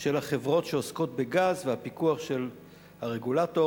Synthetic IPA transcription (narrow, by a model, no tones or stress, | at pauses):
ʃelhaχe̞vʁo̞tʃeosko̞t̚beɡazvehapikuaχʃe̞l | haʁeɡulato